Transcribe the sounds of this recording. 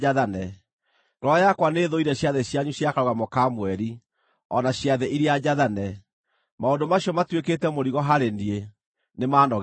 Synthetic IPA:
aðanɛ | ɾɔjakwaneːðoiɾɛɕjaðɛɕjaɲuɕjakaɾoɣamokamwɛɾi | ɔnaɕjaðɛʔiɾiad͡ʑaðanɛ | maondomaɕiɔmatweketɛmoɾiɣɔɦaɾendie | nemaːnɔɣ

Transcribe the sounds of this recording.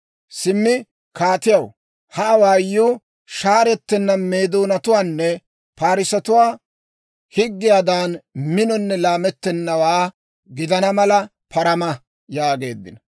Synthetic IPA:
sɪmːɪ | kaːt̪ɪjɐw | hɐʔːwaːjːuː | ʃaːɾɛt̪ːɛnːɐnme̞ːd̪oːnɐt̪ʊwaːnːɛ | paːɾɪsɐt̪ʊwaː | hɪɡːɪjad̪aːnmɪnɔnːɛlaːmɛt̪ːɛnːɐwaː | ɡɪd̪ɐnɐmɐlɐ | pʰɐɾɐmɐ | jaːɡe̞ːd̪ːɪ̰nɐ

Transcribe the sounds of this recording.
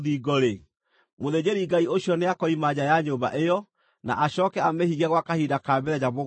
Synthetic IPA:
ðiɡɔɾe | moðed͡ʑeɾiɡaioɕjɔneakɔimaɲajaɲoba̰ʔejɔ | na̰ʔaɕɔːkɛamehiɣɛɣwakahidakabɛɾɛd͡ʑaβo

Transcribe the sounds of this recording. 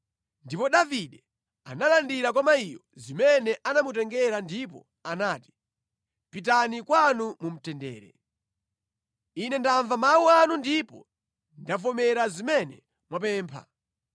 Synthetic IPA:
ndipɔɗaviɗɛ | a̰nalandiɾak̬ɔmaijɔzimɛnɛʔanamut̬ɛŋɡɛɾandip̬ɔ̰ | anaːti̥ | pitanikwanumum̩tɛndɛ̰ːɾɛ̰ | inɛndaɱvamawuanundipɔ̰ | ndavɔmɛɾazimɛnɛ | mwap̬ɛːmpʰa̰

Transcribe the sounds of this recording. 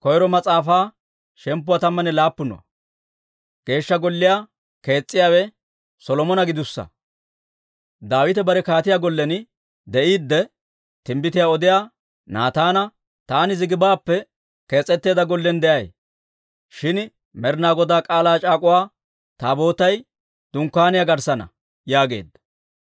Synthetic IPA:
kɔjɾɔmɐt͡sʼaːfaː | ʃɛmpːʊwat̪ɐmːɐnɛlaːpːʊnɔ̰ɐ̰ | ɡ̥e̞ːʃːɐɡɔlːɪjaː | ke̞ːt͡sʼːɪjaːwɛ | sɔlɔmɔnɐɡɪd̪ʊsːɐ̰ | d̪aːwɪt̪ɛbɐɾɛkaːt̪ɪjaːɡɔlːɛn | d̪ɛʔiːd̪ːɛ | t̪ɪmbɪt̪ɪjaːɔd̪ɪjaː | naːt̪aːnɐ | t̪aːnɪzɪɡɪbaːpːɛ | ke̞ːt͡sʼːɛt̪ːe̞ːd̪ɐɡɔlːɛnd̪ɛʔɐj | ʃɪn | mɛɾnaːɡɔd̪aːkʼaːlaːt͡ʃʼaːkʼʊwaː | t̪aːbo̞ːt̪ɐj | d̪̥ʊŋkːaːnɪjaɡɐɾsɐnɐ̰ | jaːɡe̞̰ːd̪ːɐ̥

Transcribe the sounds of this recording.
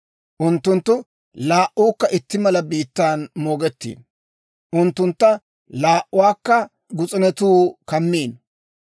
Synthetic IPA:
ʔʊnt̪ːʊnt̪ːʊ | laːʔuːkːɐʔɪt̪ːɪmɐlɐbiːt̪ːaːnmoːɡɛt̪ːḭːn | ʔʊnt̪ːʊnt̪ːɐ | laːʔʊwaːkːɐ | ɡʊt͡sʼɪnɛt̪uːkɐmːiːn

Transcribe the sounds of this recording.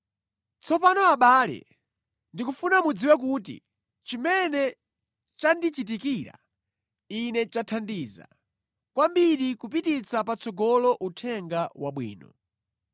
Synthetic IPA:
t͡sɔpanɔaɓaːlɛ̰ | ndikufunamud͡ziwɛk̬ut̬ḭ | t͡ʃimɛnɛ | t͡ʃandit͡ʃit̬ikiːɾa̰ | inɛt͡ʃatʰandiːza̰ | kwambiɗikup̬itit͡sʰapat͡sʰɔɡɔlɔʔutʰɛŋɡawa̰ɓwḭːnɔ̰

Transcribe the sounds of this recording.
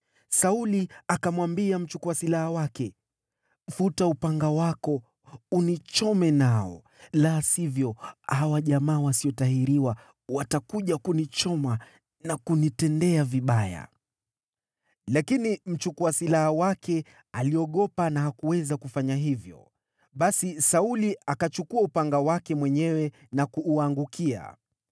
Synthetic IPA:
sauliakamwambiam̩t͡ʃukuwasilahawakɛ | futaupaŋɡawakɔ | unit͡ʃɔmɛnaɔ̰ | lasivjɔhawaʄamaːwasiɔtahiɾiwa | watakuʄakunit͡ʃɔma | nakunitɛndɛaviɓaja̰ | lakinim̩t͡ʃukuasilahawakɛ | aliɔɠɔpanaɦakuwɛzakufaɲaɦivjɔ̰ | ɓasisauliakat͡ʃukuaupaŋɡawakɛmwɛɲɛwɛ | nakuːaŋɡukʰia̰

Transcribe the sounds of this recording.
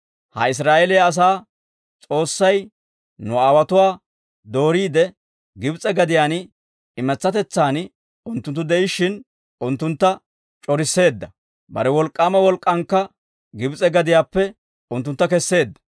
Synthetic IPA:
hɐ̰ɪs̬ɾaːʔɛlɪjaːs̬aː | t͡sʼo̞ːsːɐj | nʊaːwɐt̪ʊwaː | d̪o̞ːɾiːd̪ɛ | ɡɪbt͡sʼɛɡɐd̪ɪjaːn | ɪmɛt͡sːɐt̪ɛt͡sːaːn | ʊnt̪ːʊnt̪ːʊd̪ɛɪʃːɪn | ʊnt̪ːʊnt̪ːɐ | t͡ʃʼɔɾɪsːe̞ːd̪ːɐ | bɐ̰ɾɛwɔlkʼːaːmɐwɔlkʼːɐŋkːɐ | ɡɪbt͡sʼɛɡɐd̪ɪjaːpːɛ | ʊnt̪ːʊnt̪ːɐkɛsːe̞ːd̪ːɐ̥

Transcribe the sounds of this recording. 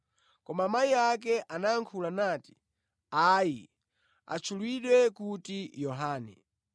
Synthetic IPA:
kɔmamaiak̬ɛʔanaːŋkʰulanaːti̥ | aji | a̰t͡ʃʰulwiɗwɛkutijɔɦaːnɛ̰

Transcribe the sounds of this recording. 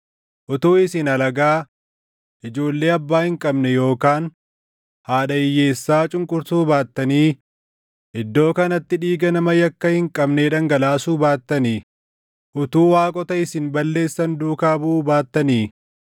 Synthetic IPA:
ʔʊt̪uːɪsɪnɐlɐɡaː | ʔɪd͡ʒo̞ːlːe̞ːɐbːaːhɪŋkʼɐbnɛjo̞ːkaːn | haːᶑɐɪjːe̞ːsːaːt͡ʃʼʊŋkʼʊɾt̪uːbaːt̪ːɐniː | ʔɪd̪ːo̞ːkɐnɐt̪ːɪᶑiːɡɐnɐmɐjɐkːɐhɪŋkʼɐbneᶑɐŋɡɐlaːsuːbaːt̪ːɐniː | ʔʊt̪uːwaːkʼɔt̪ɐɪsɪnbɐlːe̞ːsːɐnd̪uːkaːbuːbaːt̪ːɐniː

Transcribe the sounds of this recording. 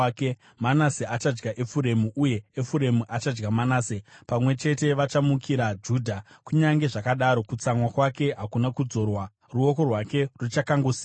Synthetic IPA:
ke | manaseat͡ʃad͡ʒɡaʔe̞fuɾe̞muʔuje̞efuɾe̞muʔat͡ʃad͡ʒɡamanaːsepamwe̞t͡ʃe̞te̞ʋat͡ʃamukʰiɾad͡ʒuːdʱa | kuɲaŋɡe̞ʐakaɗaɾo̞kut͡samwakwake̞ɦakunakud͡zo̞rwa | ruo̞ko̞rwake̞rut͡ʃakaŋɡusi̥

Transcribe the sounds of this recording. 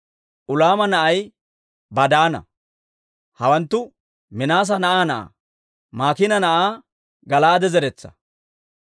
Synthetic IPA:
ʔʊlaːmɐnɐʔɐj | bɐd̪aːnɐ̰ | hɐwɐnt̪ːʊ | mɪnaːs̬ɐnɐʔaːnɐʔa̰ | maːkɪnɐnɐʔaː | ɡɐlaːd̪ɛzɛɾɛt͡sːɐ̥̰

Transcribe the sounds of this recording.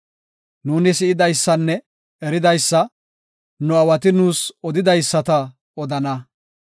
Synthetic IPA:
nuːnɪsɪɪd̪ɐjsːɐnːɛ | ɛɾɪd̪ɐjsːɐ | nʊɐwɐt̪ɪnuːsɔd̪ɪd̪ɐjsːɐt̪ɐ | ɔd̪ɐnɐ

